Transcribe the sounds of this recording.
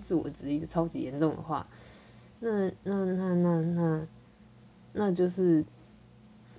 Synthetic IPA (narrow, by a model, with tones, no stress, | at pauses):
t͡sɹ̩˥˩wɔ̰˨˩ʈ͡ʂɻ̩˨˥i˥˩də˩ʈ͡ʂʰɑ˥ʊt͡ɕḭ˧˥jɛ˧˦nʈ͡ʂʊ˥˨˩ŋd̪ə̰˩xwa̰˥˩ | na˥˩na˥˧na˥˧na˥˧na˥˩ | na˥˧t͡ɕjo˥˧ʊʂɻ̩˥˩